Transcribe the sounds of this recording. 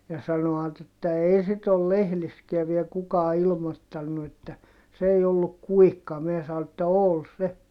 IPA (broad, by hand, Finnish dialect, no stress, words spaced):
jɑ sɑnoɑt etːæ eː sit ol lehliskiæ ʋiel kukɑː ilmotːɑnːu etːæ s ei olːuk kuikːɑ mie sɑo etːæ ol se